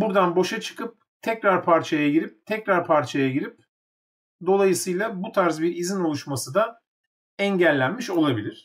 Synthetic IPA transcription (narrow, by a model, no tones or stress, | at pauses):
buɾd̪anbo̞ʃat͡ʃʰɯ̥kʰɯp̚ | t̪ʰɛcɾaɾpʰaɾt͡ʃʰajaɟiɾip̚t̪ʰɛcɾaɾpʰaɾt͡ʃʰajaɟiɾip̚ | d̪o̞lˠajɯsɯjlˠabut̪ʰaɾzbiɾizino̞lˠuʃmasɯd̪a | ɛɲɟælʲːænmiʃo̞lˠabilʲiɾ̝̥